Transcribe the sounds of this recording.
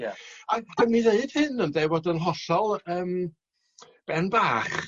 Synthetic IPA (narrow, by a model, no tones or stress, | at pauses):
jad̥əniðeɨd̥hɨnəndewɔdənɦɔsɔlˠəːm | b̥ɛnbaːχ